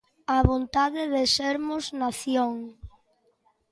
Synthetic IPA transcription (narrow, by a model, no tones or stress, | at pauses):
aβont̪aðɪðɪseɾmʊznaθjoŋ